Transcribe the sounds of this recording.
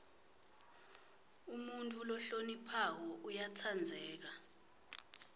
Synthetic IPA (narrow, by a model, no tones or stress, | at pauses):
umuntʼulɔɬonipʰak̬ɔʔujatʰand͡zʱɛːk̬a